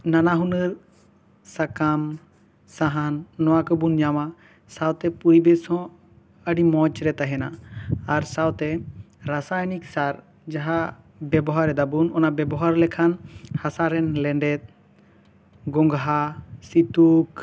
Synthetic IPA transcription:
nanaɦunəɾ | sakam | saɦanːɔwakɔbunɲama | sawt̪ɛpujbɛsɔ̃ | əɖimɔt͡ʃɾɛt̪aɦɛnaːɾsawt̪ɛ | ɾasajniksaɾ | d͡ʒaɦa | bɛbɔɦaɾɛd̪abunɔnabɛbɔɦaɾlɛkʰanhasaɾɛnlɛɳɖɛt̪̚ | ɡɔŋɡɦasit̪uk

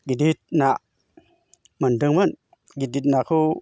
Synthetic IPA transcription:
ɡidit̪̚naʔ | mandɯŋmɯn | ɡidit̪̚nakʰu

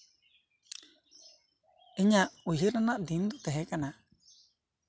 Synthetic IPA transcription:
iɲaʔuɦiɾanaʔd̪ind̪ɔt̪ɛɦɛkana

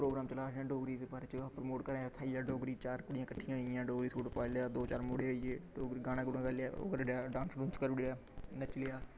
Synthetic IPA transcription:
pɾoːɡɾaːmt͡ʃəlaːãːɖoːɡɾiːd̪eːbaːɾeːt͡ʃːpɾəmoːʈkəɾaːt̪ʰaːiaːɖoːɡɾiːt͡ʃaːɾkʊɽijãːkəʈʰːɪjãːɪjãːɖoːɡɾiːsuːʈpaːlejaːd̪oːt͡ʃaːɾmoːɽeːɦoːiːeːɖoːɡɾiːɡaːɽ̃ãːɡʊɽãːɡəlja̰ːo̰kəɾɽaːɖãːnsɖʊ̃ːnskəɾɽaːnət͡ʃlɪjaː

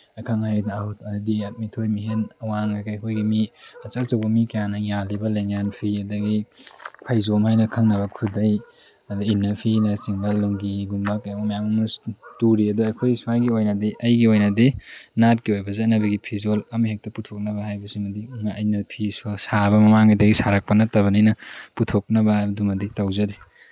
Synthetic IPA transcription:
ɐkʰɐŋhajdahutɐdɐdiɐt̚mitʰojmiɦenɐwaŋakajkʰojɡimiɐt͡ʃɐɾt͡ʃɐwbɐmikɐjanɐjalibɐleŋanpʰiɐdɐɡipʰajzomhajnɐkʰɐŋnɐbɐkʰudɐj | ɐduinːɐpʰinɐt͡ʃiŋbɐlːuŋɡiɡumbɐkajaumɐjamɐmɐstuɾiɐduɐjkʰojsumajɡiojnɐdiʔɐjɡiojnɐdinat̚kiojbɐzɐt̚nɐbɐɡipʰizolɐmiɦek̚tɐputʰok̚nɐbɐɦajbɐsimɐdimaɐjnɐpʰisɐsaβɐmɐmaŋidɐɡisaɾak̚pɐnɐtɐβɐninɐputʰok̚nɐbɐhajbɐdumɐditɐwzɐdi

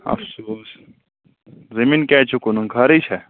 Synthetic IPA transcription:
ɐ̰fsuːs | zɐminkɛːt͡ʃʰukunuŋkʰaːɾit͡ʃʰɛ

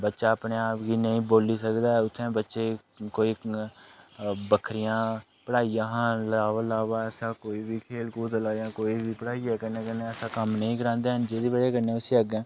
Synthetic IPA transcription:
bətːʃaːəpɳeːaːpɡiːnəĩːboːliːsəkd̪aːʊt̪ʰːẽːbətːʃeː | koːiː | bəkʰɾɪjãː | pəɽaːijãːɦãːlaːʋəlaːʋaːəsãːkoːiːbiːkʰeːlkuːt̪əlaːjãːkoːiːbiːpəɽaːiːɛːkənẽːkənẽːəsãːkəmnəĩːkəɾãːnd̪eːɦənd͡ʒeːd̪iːbəɽeːkəɾneɛ̃ːʊsiːəɡɛ̃ː

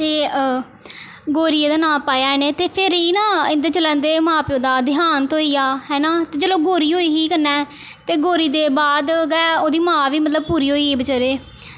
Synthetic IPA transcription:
t̪eː | ɡoːɾieːd̪aːnãːpaːjaːɛneːt̪eːpʰɪɾiːnãːɪnd̪eːt͡ʃəlɛ̃ːnd̪eːmãːpjõːd̪aːd̪ɪɦaːnt̪oːiːaːɦɛːnaːt̪eːd͡ʒəloːɡoːɾiːɦoːiːɦiːkəɾnɛː | t̪eːɡoːɾiːd̪eːbaːd̪ɡɛːoːd̪iːmãːʋiːmət̪ləb̚puːɾiːɦoːiːɦiːbət͡ʃəɾeː

